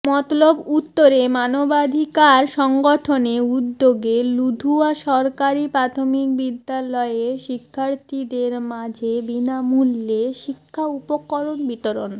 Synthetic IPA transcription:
mɔt̪olobut̪ːoɾemanobad̪ʱikaɾʃɔŋɡɔʈʰoneud̪ːoɡelud̪ʱuaʃɔɾkaɾipɾat̪ʰomik̚bid̪ːalɔeeɾʃikʰːaɾt̪ʰid̪eɾmad͡ʑʱebinamulːeʃikʰːaupokːɔɾonbit̪oɾon

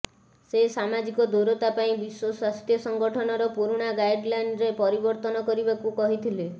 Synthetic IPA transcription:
sesamad͡ʒikɔd̪ʱoɾɔt̪apaĩbiswɔswast̪jɔsɔŋɡɔʈʰɔnɔɾɔpuɾuɽ̃aɡajɖlajɳɖɾepɔɾibɔɾt̪ɔnɔkɔɾibakukɔɦit̪ʰile

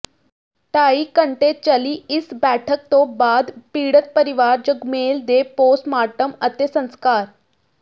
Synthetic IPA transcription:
ʈaikəɳʈet̪̚t͡ɕaliːisbæʈʰək̚t̪obad̪piːɽət̪̚pəɾiʋaɾd͡ʑəɡmeld̪eposmaʈəmət̪jesə̃ŋ̃skaːɾ

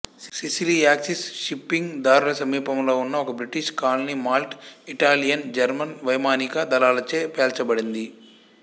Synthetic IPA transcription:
sisiliaːksisʃipːiŋɡd̪aːɾulɐsɐmiːpɐmlo̞ːunːɐɔkɐbɾiʈiʃkaːlɐnimaːlʈiʈaːlijɐnd͡ʒɐɾmɐnʋɐjmaːnikɐd̪ɐlaːlɐt͡ʃeːpeːlt͡ʃɐbɐɽind̪i

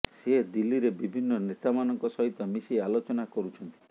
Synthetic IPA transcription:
sed̪ilːiɾebibʱinːɔnet̪amanɔŋkɔsɔɦit̪ɔmisialot͡ʃɔnakɔɾut͡ʃʰɔnt̪i̥

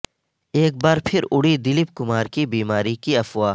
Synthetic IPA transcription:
eːk̚baːɾpʰɪɾʊɽid̪ɪlɪp̚kʊmaːɾkibiːmaːɾikiɐfʊwaː

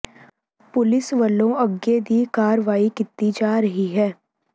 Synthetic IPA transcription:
pʊlɪsʋəlːõəɡed̪iːkaːɾəʋaːikɪt̪ːid͡ʒaːɾəɦiɦɛː

